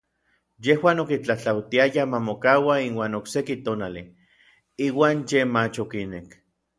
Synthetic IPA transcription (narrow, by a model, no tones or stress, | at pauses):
jehwaːnokit͡ɬaht͡ɬawt̪iajamamokaːwainwaːnoksekit̪oːnali | iːwaːnjemat͡ʃokinek